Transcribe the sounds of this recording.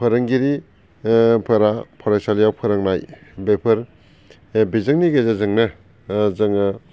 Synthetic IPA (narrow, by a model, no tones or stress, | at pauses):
pʰɯɾɯŋɡiɾi | pʰɯɾapʰɔɾajsalijawpʰɯɾaŋnajbepʰɯɾ | bizɯŋniɡezazɯŋna | zɯŋɯ